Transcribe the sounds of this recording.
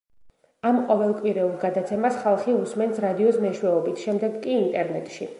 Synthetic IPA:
amqʼɔvɛlˠkʼwiɾɛulˠɡad̪at̪sʰɛmasχalˠχiusmɛnt̪sɾad̪iɔsmɛʃwɛɔbit̪ʰʃɛmd̪ɛɡkʼiːnt̪ʼɛɾnɛt̪ʼʃi

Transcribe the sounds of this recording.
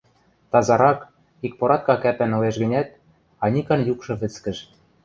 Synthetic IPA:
t̪ɑzɑɾɑk | ik̚poɾɑt̪̚kɑkæpænŏleʃɣɘ̆nʲæt̪̚ | ɑnʲikɑnjukʃɤ̆βɘ̆t͡skɘ̆ʃ

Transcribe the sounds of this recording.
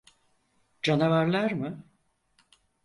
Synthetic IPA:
d͡ʒanavaɾlˠaɾmɯ

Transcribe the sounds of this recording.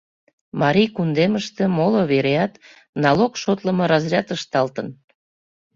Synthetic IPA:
mɑɾʲijkund̪eməʃt̪e̽moloβeɾeɑt̪ | nɑlokʃot̪ləmɤɾɑzrʲɑt̪əʃt̪ɑlt̪ən

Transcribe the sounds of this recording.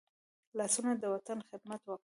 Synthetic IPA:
lɑsunad̪əwat̪anxɪd̪mat̪wɑk

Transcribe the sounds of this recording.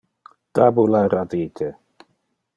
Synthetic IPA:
t̪abulaɾad̪it̪ʰe

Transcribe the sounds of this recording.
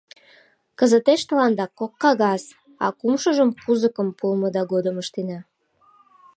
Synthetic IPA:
kəzət̪eʃt̪əlɑnd̪ɑkːokːɑɣɑs | ɑ̰kumʃəʒəmkuzəkə̆mpulməd̪ɑɡod̪əməʃt̪enɑ

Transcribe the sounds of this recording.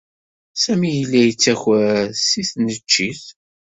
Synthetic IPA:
sæmijəlːæjət͡sːæçæsiθnət͡ʃːiθ

